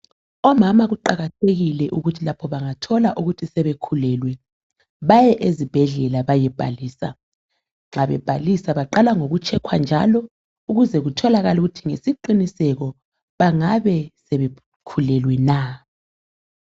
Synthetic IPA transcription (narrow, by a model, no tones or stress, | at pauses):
ɔmamaɣuǃaɣatʰeɣilɛʔuɣutʰilapʰɔβaŋatʰɔlaʔuɣutʰisɛβekʰulɛlwɛ | βajɛʔezib̥ʱɛɮɛlaβajɛb̥ʱa̰liːsa̰ | ŋ͡ǁaβɛb̥ʱalisaβaǃalaŋoɣut͡ʃʰɛkʰwand͡ʒʱa̰lɔ | uɣuzɛɣutʰɔlaɣaluɣutʰiŋesiǃinisɛɣɔ | βaŋaβɛsɛβe | kʰulɛlwɛna